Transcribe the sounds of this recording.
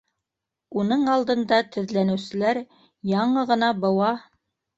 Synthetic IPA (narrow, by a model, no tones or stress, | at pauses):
unɤɴɑlˠd̪ɤ̆nd̪ɑt̪ɵ̆ðlænɘ̆wsɘ̆læɾ | jɑɴɤʁɤ̆nɑbɤ̆wɑ